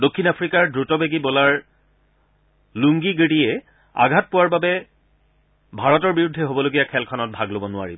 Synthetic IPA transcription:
dokʰːinapʰɹikaɹdɹutɔbeɡibɔlaɹ | luŋɡiɡiɽiɛ | a̰ɡʱat̚pʊwaɹbabɛ | bʱaɹɔtɔɹbiɹudʱːɛɦobɔloɡijakʰɛlkʰɔnɔt̚bʱaɡlobɔnʊa̰ɹibɔ

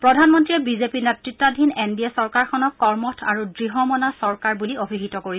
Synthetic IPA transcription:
pɹɔdʱanmɔntiɛbizepinetɹitːadʱinendiɛsɔɹkaɹkxʰɔnɔkːɔɹmɔtʰa̰ɹudɹiɦɔmɔnasɔɹkaɹbuliobʱiɦitɔkoɹi

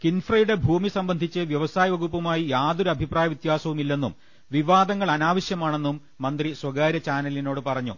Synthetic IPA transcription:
kinfrɐjuɽe̞bʱuːmisɐmbɐnd̪ʱit͡ɕːɨʋjɐʋɐsaːjɐʋɐɣupːɐmaːjijaːdðuɾɐbʱipraːjɐʋit̪jaːsɐʋumilːe̞nːum | ʋiʋaːd̪ɐŋːɐɭɐnaːʋɐɕjɐmaːɳe̞nːumːɐnd̪riswɐɡaːɾɐt͡ɕaːnɐlino̞ːɽɨpɐrɐɲːṵ

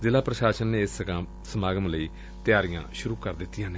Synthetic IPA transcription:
zɪlaːpɾəʃaːʃənːeːɪsəkãː | səmaːɡəmləiː | t̪ɪjaːɾijã̰ːʃʊɾuːkəɾd̪ɪt̪ːɪjãːne

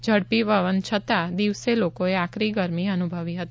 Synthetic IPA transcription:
d͡ʒʱəɽpiʋəʋənt͡ʃʰət̪ad̪iʋselokoeakɾiɡəɾmiənubʱəʋiɦət̪i

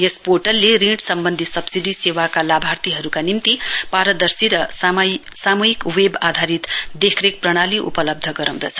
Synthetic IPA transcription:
jespoʈʌlːeriʈsʌmbʌnd̪ʱisʌbsiɖisewakalabʱart̪iɦʌɾukanimt̪ipaɾʌd̪ʌrsiɾʌ | samʌɦikwebad̪ʱaɾit̪d̪ekʰrek̚prʌɽ̃aliʔṵpʌlʌb̚d̪ʱʌɡʌɾaw̃d̪ʌt͡sʰʌ̥

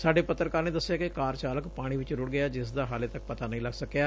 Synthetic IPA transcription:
saːɖeːpət̪ːɾəkaːɾneːd̪əsːɪjaːkekaːɾt͡ʃaːləkpaːɽ̃ĩːʋɪt͡ʃɾʊɽɡɪjaːd͡ʒɪsd̪aːɦaːleːt̪ək̚pət̪aːnəĩːləɡsəkːjaː

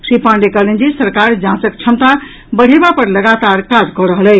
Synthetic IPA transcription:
sipãɳɖekəɦlend͡ʒisəɾkaɾd͡ʒãsək̚t͡ʃʰəmt̪a | bəɽ̤ebapəɾləɡat̪aɾkad͡ʒkɔɾəɦəlɛ

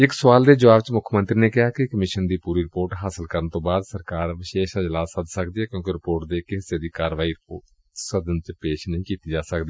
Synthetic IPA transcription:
ɪksəʋaːld̪eːd͡ʒəʋaːbt͡ʃmʊkʰmə̃nt̪ɾinekɪɦakikəmɪʃənd̪iːpuːɾiɾɪpoːɾʈɦaːsəlkəɾənt̪õːbaːd̪səɾkaːɾʋɪʃeːʃad͡ʒəlaːsəd̪ʱsəkd̪iɦɛːkjõːk̬iɾɪpoːɾʈd̪ekɪɦɪsed̪iːkaːɾʋaːiɾɪpoː | səd̪ənt͡ʃpeːʃnəɦĩkiːt̪id͡ʒaːsəkd̪iː

